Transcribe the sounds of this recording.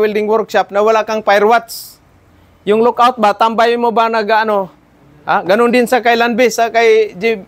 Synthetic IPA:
wildɪŋwɔrkʃap̚nawalakaŋpajrwat̪s | jʊŋlɔkaut̪̚bat̪ambajmobanaɡano | aɡanʊŋdɪnsakailanbɪsakajd͡ʒi

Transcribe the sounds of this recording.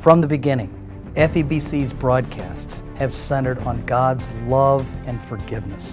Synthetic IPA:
fɹʌ̃mðɨbɨɡɪ̃nɪ̃ŋ | ɛfibisizbɹɔd̚kʰæ̰sts | hɨv̥sɛ̃ɾ̃ə˞ɾn̩ɡɑdzlʌvɨ̃nfə˞ɡɪvnɨs

